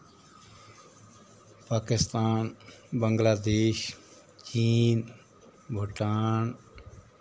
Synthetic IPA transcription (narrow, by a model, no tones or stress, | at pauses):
paːkɪst̪aːnbəŋɡlaːd̪eːʃ | t͡ɕiːn | bʱʊʈaːn